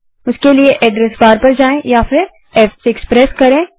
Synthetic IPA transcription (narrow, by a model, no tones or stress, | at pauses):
ʊskelieʔɛːɖɾɛsbaːɾpɐɾd͡ʒaːẽjaːfɪɾ | ɛːfsːkspɾɛːskɐɾẽː